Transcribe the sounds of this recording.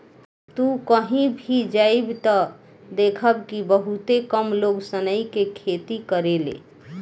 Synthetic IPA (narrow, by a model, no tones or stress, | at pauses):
t̪ukəɦĩbʱid͡ʒaibt̪ɔ | d̪ekʰəbkibəɦut̪ekəmloɡsənəjkekʰet̪ikəɾelḛ